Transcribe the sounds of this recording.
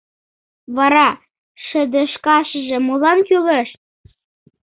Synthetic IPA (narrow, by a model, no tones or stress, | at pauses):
βɑɾɑ | ʃə̆d̪ə̆ʃkɑʃəʒĕmolɑnkyləʃt̪̚